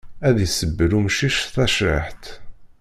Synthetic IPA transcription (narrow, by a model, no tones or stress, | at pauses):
æðjsəbːəɾumʃiʃθæʃɾəħt̪